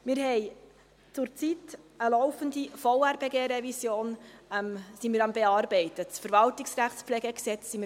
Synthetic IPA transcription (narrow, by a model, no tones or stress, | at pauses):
mɪːɾhɛɪ | t͡sʊɾt͡sitəlɔʊfəndifɔʊæɾbeɡeːɾɛvisjoːnɛmsimɪːɾɑmbɛɑːɾbɛɪtətfəɾvɑltɪksræχtsplɛːɡəksɛt͡ssimɪ